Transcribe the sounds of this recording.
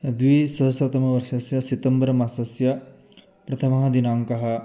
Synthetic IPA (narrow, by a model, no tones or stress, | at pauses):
d̪ʋisɐɦsɐt̪ɐmɐʋɐɾʂɐsjɐsit̪ɐmbɐɾɐmasɐsjɐ | pɾɐt̪ʰɐmɐɦɐd̪inaːŋkɐɦɐ̆